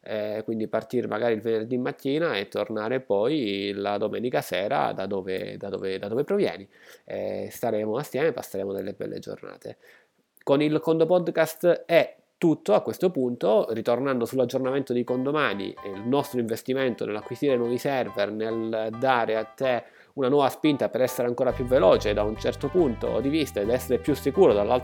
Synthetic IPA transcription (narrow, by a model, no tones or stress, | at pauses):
ɛkwind̪ipart̪iɾmʔa̰ɡaːɾilvenerd̪imːat̪ʰːiːnaet̪ːornaːɾepɔjlad̪omɛːnikasɛːɾa̰d̪a̰d̪ɔːvḛd̪ad̪o̰ːved̪ad̪oːvepɾovjɛ̰ːniɛ̰st̪aɾeːmoasːjɛːmepa̰sːeɾeːmod̪elːebɛ̰lːḛd͡ʒo̰rna̰ːt̪ʰḛ | konilkond̪opɔd̪kast̪ɛ | t̪ːut̪ːoakːwest̪opunt̪orit̪ornand̪osulːad͡ʒːornament̪od̪ikond̪omanḭlnɔst̪ɾoiɱvest̪iment̪onḛlːakːwist̪iːɾenwɔvisɛrvɛrneld̪aːɾeat̪ːe | unanwɔːvaspint̪apeɾɛsːeɾeaŋkoːɾapjuvːeloːt͡ʃed̪aunt͡ʃɛrt̪opunt̪o̰d̪ivist̪aed̪ɛsːeɾepjusːikuːɾod̪alːalt̪